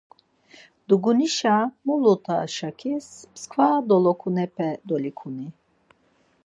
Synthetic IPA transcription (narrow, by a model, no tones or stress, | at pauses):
d̪̥uɡuniʃamulut̪ʰa̰ʃakʰispskʰvad̪ɔlɔkʰunɛpʰɛd̪ɔlikʰuni